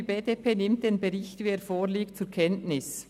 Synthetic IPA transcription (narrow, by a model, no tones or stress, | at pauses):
ibeːdepʰeːnɪmt̚d̥eːnbeʁɪçtviːeːɾfoːɾliːkt̚t͡suɾkʰɛntnɪs